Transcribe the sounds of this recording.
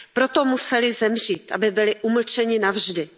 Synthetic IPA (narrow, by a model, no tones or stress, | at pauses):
pɾo̞t̪omusɛlɪzɛmr̝iːt̪ʔa̰bɪbɪlɪʔuml̩t͡ʃɛɲɪnavʒdɪ